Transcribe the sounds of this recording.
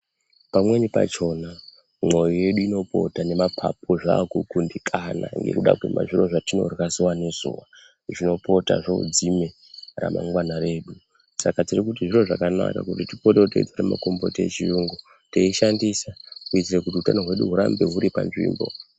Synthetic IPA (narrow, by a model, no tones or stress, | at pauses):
pamwe̞nipa̰t͡ʃo̞na | mo̞jije̞ɗuino̞pʰo̞̰tane̞mapʰapʰo̞ʐaːkukundikʰana̰ŋɡe̞̰kuɗa̰kwuma̰ʐiro̞ʐatino̞̰rakaziwane̞zuːʋa | ʐino̞po̞ta̰ʐoṵd͡zime̞ | ra̰mʔa̰ŋɡwanaɾe̞ːɗu | sakatirik̬utiʐiro̞ʐakana̰ka̰kutitipoteoteid͡zaɾema̰kombo̞̰tet͡ʃijuːŋɡu | teiʃandisakuid͡zirekutiutanoɦwe̞ɗṵɦuɾambe̞ɦuɾipa̰nʐḭːmbo̞̰